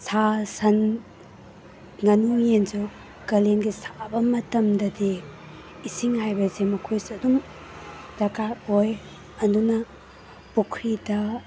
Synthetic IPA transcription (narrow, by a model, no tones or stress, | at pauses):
sasɐn | ŋɐnuŋenzu | kɐlenɡisḁbɐmɐtɐmdɐdiː | siŋhajbɐsemɐkʰojsɐdum | dɐkajoj | ɐndunɐ | pukʰɾidɐ